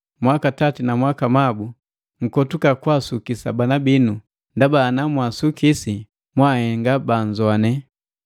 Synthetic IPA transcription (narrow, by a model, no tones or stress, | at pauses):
mwakatatinamwakamabu | ŋ̩kɔtukakwasukisabanabinu | ndabanamwasukisi | mwahɛŋɡaband͡ʒɔanɛ